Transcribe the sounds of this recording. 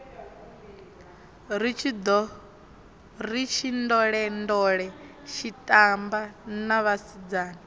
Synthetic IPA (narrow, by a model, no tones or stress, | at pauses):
ɾit͡ʃʰid̪ɔ | rit͡ʃʰindɔɺɛndɔɺɛ | ʃitʼambanaβasid͡zaːna